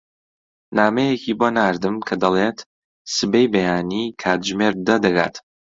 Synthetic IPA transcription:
naːmejekiːbonaːɾd̪ɨmkʰɐd̪ɐlˠet̪ | sɨbejbɐjaːnikʰaːt̪ʒmeɾd̪ɐd̪ɐɡa̰ːt̪

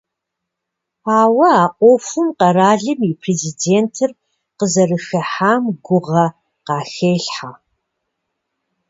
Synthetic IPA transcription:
aːwɐaːʔʷʼofɨmqɐɾaːɮɨmipʰreːzideːntʰɨr | qəzɐrɨxɐħaːmɡʷʊʁɐ | qɑːxeːɬħa

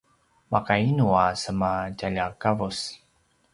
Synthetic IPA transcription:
makainuasəmacaʎakavus

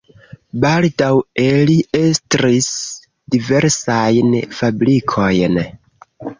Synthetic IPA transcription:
baldaweliʔe̞stɾis | dive̞ɾsajnfabɾikʰo̞jn

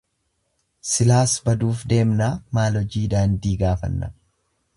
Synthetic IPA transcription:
sɪlaːsbɐd̪uːfd̪e̞ːmnaːmaːlɔd͡ʒiːd̪aːnd̪iːɡaːfɐ̰nːɐ

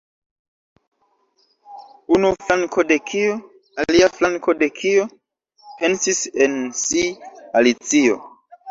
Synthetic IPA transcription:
unuflaŋko̞de̞kʰio | aliaflaŋkʰo̞de̞kʰio | pe̞nsise̞nsialit͡sio̰

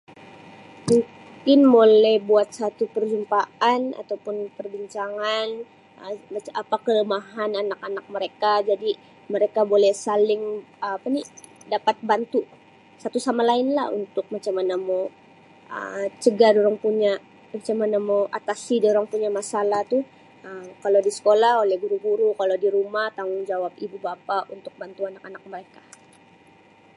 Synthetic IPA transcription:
muŋ | kɪnbolɛhbuat̪̚sat̪upərd͡ʒumpaana̰t̪awpʊnpərbiɲt͡ʃaŋan | əaapakələmaɦananakanak̚məɾekad͡ʒadi | məɾekabolɛhsalɪŋaːpani | dapat̪̚bant̪u | sat̪usamalaɪnla̰hṵnt̪ʊk̚mat͡ʃamanamaw | ʔə̰t͡ʃəɡadoɾaŋpuɲa | mat͡ʃamanamawʔat̪asidoɾaŋpuɲamasalaht̪ʊ | əmkalodisə̥kolaholɛhɡuɾuɡuɾukalodiɾumaht̪aŋʊŋd͡ʒawap̚ibubapaʔunt̪ʊk̚bant̪uanakanak̚məɾekḁ

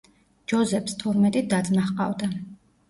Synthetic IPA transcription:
d͡ʒɔzɛpʰst̪ʰɔɾmɛt̪ʼid̪ad̪zmaχqʼa̰vd̪a

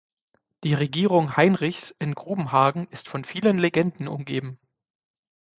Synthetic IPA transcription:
d̥iːʁeɡiːʁʊŋhaɪnʁɪçsʔɪnɡʁuːbm̩ɦaːɐɡŋ̩ʔɪstfɔnfiːlənleɡɛndn̩ʊ̰mɡeːbm̩

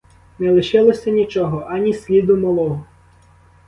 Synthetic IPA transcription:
nɛlˠɪʃɪlˠɔsʲɐnʲit͡ʃɔɦɔʔɐnʲisʲlʲid̪ʊmɔlˠɔɦɔ

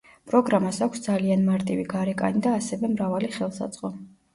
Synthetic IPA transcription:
pʼɾɔɡɾamasakʷʰsd̪zalianmaɾt̪ʼiviɡaɾɛkʼa̰nid̪aːsɛvɛmɾavaliχɛlˠsa̰d̪z̥ʼqʼɔ

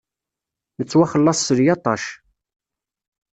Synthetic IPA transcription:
nət͡sːwæχəlːɑsˤːəɾjɑt̪ˤɑʃ

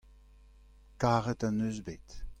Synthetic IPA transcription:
kaːʁətanøːzbeːt

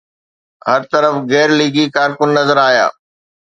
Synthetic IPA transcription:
ɦɐɾt̪ɐɾəfɣɛːɾliːɡikaːɾkʊnːɐzəɾaːja̰ː

